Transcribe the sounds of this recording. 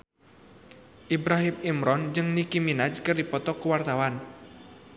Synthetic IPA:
ʔibɾaɦimimɾɔnd͡ʒɨŋnikiminad͡ʒkɨrdipɔt̪ɔkuwart̪awan

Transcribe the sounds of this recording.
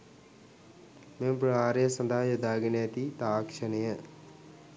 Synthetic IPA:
mempɾaːɾesɐnd̪ʱaːjɐd̪aːɡɐnaːt̪it̪aːkʂɐnɐjə

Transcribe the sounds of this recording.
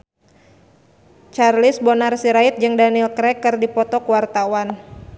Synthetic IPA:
t͡ʃarlɪsbɔnarsiɾait̪̚d͡ʒɨŋdanilkɾɛkɨrdipɔt̪ɔkuwart̪awan

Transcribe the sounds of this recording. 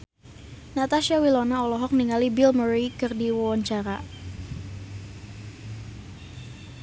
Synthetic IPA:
nat̪aʃawilɔnaɔlɔɦɔk̚niŋalibilməɾikɨrdiwɔwaɲt͡ʃaɾa

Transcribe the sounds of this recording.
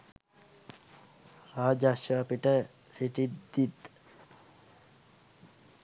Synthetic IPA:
aːd͡ʒaʃjəapiʈə | siʈid̪it̪

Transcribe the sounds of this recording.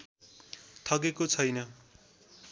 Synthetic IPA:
t̪ʰʌkekot͡sʰʌjnʌ

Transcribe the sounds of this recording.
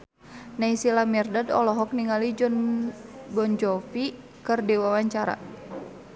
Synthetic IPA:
naisilamɛrdadɔ̰lɔɦɔk̚niŋalid͡ʒɔn | bɔɲd͡ʒɔfi | kərdiwawaɲt͡ʃaɾa̰

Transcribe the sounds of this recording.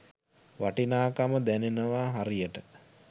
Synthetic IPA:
ʋaʈinaːkaməd̪ænenəʋaːɦaɾijəʈə

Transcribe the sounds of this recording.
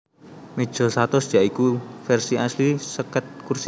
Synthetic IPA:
med̥ʒ̥ɔ̤sat̪ɔsd̥ʒ̥aikufɛrsiʔaslisəkət̪̚kurs

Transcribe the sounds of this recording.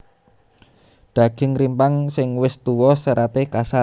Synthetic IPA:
ɖ̪̥a̤ɡ̥ɪ̤ŋɾimpaŋsɪŋwɪst̪uwɔsəɾat̪ekasa

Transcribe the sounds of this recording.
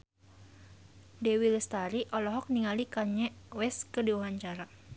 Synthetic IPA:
dɛwilɛst̪aɾiʔɔlɔɦɔk̚niŋalikaɲɛwɛskədiwaɦaɲt͡ʃaɾa

